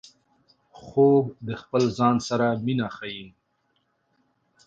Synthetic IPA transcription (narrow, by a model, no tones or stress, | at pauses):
xobd̪əxpəlzɑnsaɾaminaxajin